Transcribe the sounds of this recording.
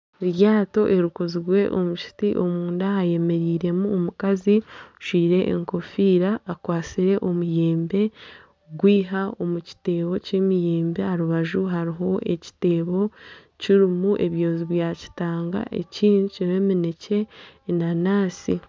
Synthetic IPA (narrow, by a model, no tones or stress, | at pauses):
ɾjaːto̞ʔe̞ɾukoziɾwe̞ʔo̞muʃi̥tiʔo̞muːndaaje̞me̞ɾiːɾe̞muomukaziʃiːɾe̞ʔːŋko̞fiːɾaːkwaːt͡siɾe̞ʔo̞mujeːmbe̞ | ɡwiːɦao̞muci̥te̞ːβo̞cemijeːmbe̞haɾuβaʒuɦaɾiɦo̞e̞ci̥te̞ːβo̞ | ciɾimuʔe̞βjo̞ːziβjaci̥taːŋɡa̰ʔḛciːnuciɾemine̞ce̞nanaːsi